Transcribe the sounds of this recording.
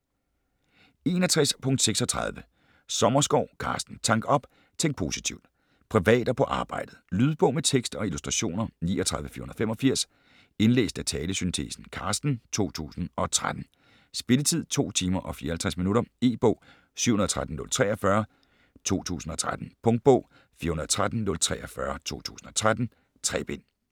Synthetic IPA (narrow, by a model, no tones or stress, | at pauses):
e̝nɐt͡sʰʁaspʰɔ̽ŋd̥seɡ̥sɒ̽t͡sʰʁɑ̰ð̞ˠʋə | sɒ̽mɐsɡ̥ɒʊ̰kʰɑ̰̈ːsd̥n̩t͡sʰɑ̈ŋ̰ɡ̥ɒ̽b̥ | t͡sʰeŋ̰d̥̚pʰo̝ːsit͡sʰiʊd̥ | pʰʁiʋɛ̰ːd̥ɐpʰɒ̽ʔɑ̈ːb̥ɑ̈ɪ̰d̥ð̩ˠlyð̞ˠb̥ɔ̽ʊmet͡sʰeɡ̥sd̥ɒ̽ilusd̥ʁɑɕo̝̰ːnɐnḭːɒt͡sʰʁäðˠʋəfiɐhunðˠfemɒ̽fiɐ̰s | e̝nlḛːsd̥æt͡sʰɛːləsynt͡sʰe̝̰ːsn̩kʰɑ̈sd̥n̩t͡sʰo̝̰ːt͡sʰṵːsn̩ɒ̽t͡sʰʁad̥n̩ | sb̥e̝lət͡sʰið̰ˠt͡sʰo̝̰ːt͡sʰiːmɐʔɒ̽fiːɐhælt͡sʰʁasminuɾɐe̝ːb̥ɔ̽ʊ̰ | sy̰ʊhun̩ð̩ˠt͡sʰʁad̥n̩nɔ̽lt͡sʰʁɛːɒfɶɐ | t͡sʰo̝̰ːt͡sʰṵːsn̩ɒ̽t͡sʰʁad̥n̩pʰɔ̽ŋ̥̚b̥ɔʊ̰ | fiːɐhunɐðˠt͡sʰʁad̥n̩nɔ̽lt͡sʰʁɛːʔɒfɶɐt͡sʰo̝̰ːt͡sʰṵːsn̩ɒ̽t͡sʰʁad̥n̩ | t͡sʰʁɛ̰b̥en̰